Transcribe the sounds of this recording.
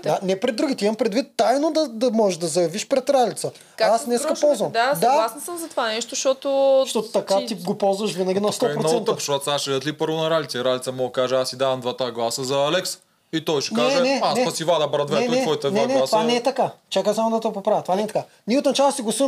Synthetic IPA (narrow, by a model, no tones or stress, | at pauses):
d̪anɛpɾɛd̪ːɾuɡʲit̪ɛimɐmpɾɛd̪vit̪ːajnod̪ɐd̪ɐmɔʒɛʒd̪ɐzɐjɐviʃpɾɛt̪ɾalʲit̪sə | aasnɛskəpɔlˠzvəmd̪ad̪aasnɐsəmzɐt̪ovanɛʃt̪oʃt̪ɔt̪ʊʃt̪ɔt̪ʊt̪ɐkat̪iɡopɔlˠzvəʃvinɐɡʲinɐst̪ɔpɾot̪ɛnt̪əpʃvɐt̪saʃɛət̪lipɤɾvonɐɾalʲit̪sɛɾalʲit̪sɐmɔɡəkaʒɛasːid̪avɐmd̪vat̪aɡlˠasəzɐːlɛks | it̪ɔjʃɛ̥k̪aɛɛnɛanɛɐsivad̪ɐbɾɐd̪vɛɛɛkɔjt̪ɛnnɛt̪ovanɛɛt̪ɐkat͡ʃakəsamod̪ɐt̪opopɾavət̪ovanɛt̪ɐka | niot̪nɐt͡ʃalˠsiɡlˠɐsi